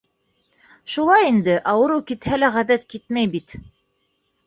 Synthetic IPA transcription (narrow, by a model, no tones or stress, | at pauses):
ʃulˠɑjind̪ɘʔɑwɤ̆ɾukit̪hælæʁæðæt̪kit̪̚mæjbit̪